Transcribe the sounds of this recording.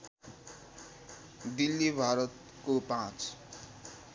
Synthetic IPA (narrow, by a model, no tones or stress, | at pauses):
d̪ilːibʱaɾʌt̪ | kopãt͡s